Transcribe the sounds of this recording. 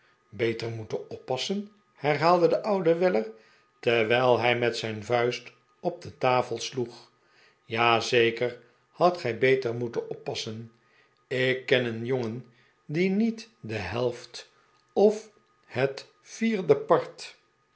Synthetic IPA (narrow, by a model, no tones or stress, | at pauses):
bejtəɹmutənɔpːɑsən | hɛɹɦaːlˠdədəʔʌwdəʋɪləɹ | təʋɛjlˠɦɛjmɛtsɛjnvœɥst | ɔb̚dətaːfəlˠsluχ | jaːzejkəɹ | hɑtχɛjbejtəɹmutənɔpːɑsən | ɪkːɛnənjoŋən | dinitdəɦɛlˠft | ɔf | hət | fiːɹdəpɑɹt